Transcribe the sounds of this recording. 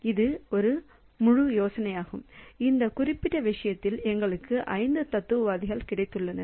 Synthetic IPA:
ɪðɯɔɾɯ | mʊɻʊjoːsɐnɐjaːɣɯmɪnd̪ɐkʊrɪpːɪʈːɐʋɪʂɐjɐt̪ːɪlɛŋɡɐɭɯkːɯʔɐɪnd̪ɯt̪ɐt̪ːɯʋʋaːðɪɣɐɭkɪɽɐɪt̪ːɯɭːɐnɐ̰

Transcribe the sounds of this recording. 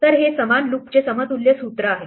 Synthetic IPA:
t̪əɾɦesəmanluk̚t͡ɕesəmət̪uljesut̪ɾəaɦe

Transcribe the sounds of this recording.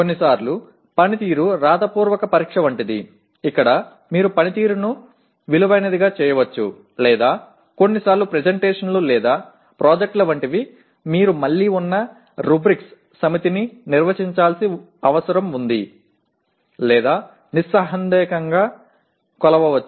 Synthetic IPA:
konːisaːɾlu | pɐnit̪iːɾuɾaːd̪ɐpuːɾʋɐkɐpɐɾiːkʂɐʋɐɳʈid̪ḭ | ikːɐɽɐ | miːɾupɐnit̪iːɾunu | ʋiluʋɐjnɐd̪iɡaːt͡ʃɛːjɐʋɐt͡ʃːṵ | lɛːd̪aː | ko̞nːisaːɾlupɾed͡ʒeɳʈeːʂɐnloːlɛːd̪aː | pɾʔoːd͡ʒek̚ʈlɐʋɐɳʈiʋi | miːɾumɐɭːiːunːɐ | ɾubɾiks | sɐmit̪ininiɾʋɐt͡ʃiɲt͡ʃaːlsi | ɐʋɐsɐɾɐmund̪ḭ | lɛːd̪aː | nisɐɦɐnd̪ɛːkɐŋɡaː | kɔlɐʋɐʋɐt͡ʃːu

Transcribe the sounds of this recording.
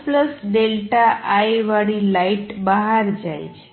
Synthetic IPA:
pləsɖelʈaʔajʋaɽilaiʈbəɦaɾd͡ʒajt͡ʃʰe̥

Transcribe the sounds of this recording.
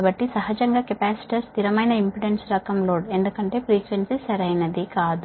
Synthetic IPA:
bɐʈːisɐɦɐd͡ʒɐŋɡaːkepaːsi̥ʈɐɾst̪iɾɐmɐjnɐimpiɖensɾɐkɐmlo̞ːɽe̞nd̪ukɐɳʈe̞ːpɾiːkʋensisɐɾɐjnɐd̪ikaːd̪u

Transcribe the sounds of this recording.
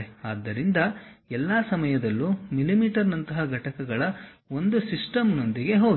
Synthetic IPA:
eaːd̪ːɐɾind̪ɐɛlːaːsɐmɐjɐd̪ɐlːumilimiːʈɐɾnɐnt̪ɐɦɐɡʱɐʈɐkɐɡɐɭɐ | o̞nd̪usisʈɐmno̞nd̪iɡe̞ɦo̞ːɡ

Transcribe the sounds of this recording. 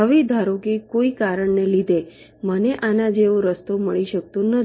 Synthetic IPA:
ɦəʋid̪ʱaɾokikoikaɾəɳnelid̪e | məneʔanad͡ʒeõɾəst̪oməɭiʃək̚t̪õnə

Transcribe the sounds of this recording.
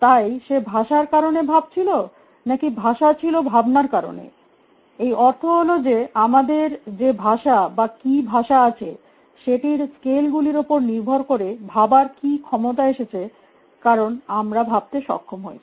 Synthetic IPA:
t̪ajʃebʱaʃaɾkaɾonebʱab̚t͡ɕʰilo | nakibʱaʃat͡ɕʰilobʱabnaɾkaɾo̰nḛ | ejʔɔɾt̪ʰoɦolod͡ʑeamad̪eɾd͡ʑebʱaʃabakibʱaʃaat͡ɕʰe | ʃeʈiɾskelɡuliɾopoɾniɾbʱoɾkoɾebʱabaɾkikʰɔmot̪̬aeʃet͡ɕʰe | kaɾonamɾabʱab̚t̪eʃɔ̰kʰːomɦo̰j

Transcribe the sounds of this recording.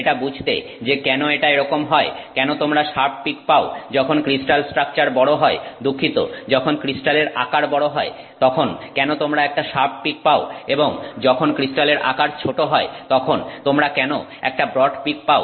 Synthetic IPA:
eʈabud͡ʑʱt̪ḛ | d͡ʑekɛnoeʈaeɾɔkomɦɔekɛnot̪omɾaʃaɾp̚pikpaod͡ʑɔkʰonkɾisʈalsʈɾak̚t͡ɕaɾbɔɽoɦɔed̪ukʰːit̪o̰d͡ʑɔkʰonkɾisʈaleɾa̰kaɾbɔɽoɦɔe | t̪ɔkʰonkɛnot̪omɾaɛk̚ʈaʃaɾp̚pik̚paoeboŋd͡ʑɔkʰonkɾisʈaleɾʔa̰kaɾt͡ɕʰoʈoɦɔet̪ɔkʰont̪omɾakɛno | ɛ̰k̚ʈabɾɔɖpik̚pao

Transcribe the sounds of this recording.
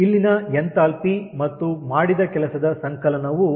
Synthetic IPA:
ilːinɐjent̪aːlpimɐt̪ːumaːɽid̪ɐkɛlɐsɐd̪ɐsɐŋkɐlɐnɐʋu

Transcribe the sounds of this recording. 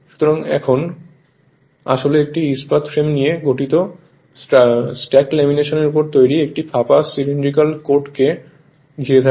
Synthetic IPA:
ʃu̥t̪oɾaŋɛ̰kʰon | a̰ʃoleek̚ʈiispat̪fɾemnijeɡʱoʈit̪o | sʈɛklemineʃoneɾup̬oɾt̪ojɾiek̚ʈifʰapasiliɳɖɾikalkoɾʈke | ɡʱiɾet̪ʰa

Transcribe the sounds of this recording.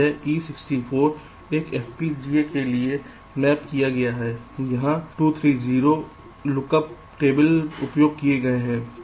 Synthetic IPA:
ɛʔiːsɪksʈifʰoːɾ | eːkɛːfpid͡ʒiːekelie | mɛːpkijaɡɐjaɦɛːjɐɦãʈuːt̪ʰɾiːziːɾo | lʊkəp | ʈeːbəlʊpjoːɡ̚kieɡɐeɦɛ̃ː

